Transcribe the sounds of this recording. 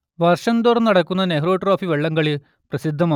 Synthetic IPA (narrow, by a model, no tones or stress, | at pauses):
ʋɐrʂɐnd̪oːrnnɐɽɐkːunːɐneɦro̞ːʈroːfiʋeɭːɐŋɡɐɭi | prɐsid̪ʱːɐmaː